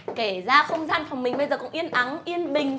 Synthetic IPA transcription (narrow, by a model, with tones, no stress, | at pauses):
ke˧˩zaː˧xə˧wŋ͡mzaː˧nfa˨˩wŋ͡mmï˨˩ŋ̟ɓə˧jzəː˨˩kʊ̰˧˥ŋ͡mʔi˧ənʔa˨˦nʔi˧ənɓï˨˩ŋ̟